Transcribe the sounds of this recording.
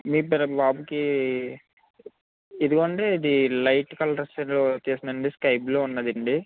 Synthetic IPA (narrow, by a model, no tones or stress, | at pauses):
miːpɛɾɐbaːbuki | id̪uɡoːɐɳʈeid̪ilɐjʈkɐlɐɾɐsɐnlot͡ʃ̪eːsinɐɳɖiskɐjploːunːɐd̪iɳɖi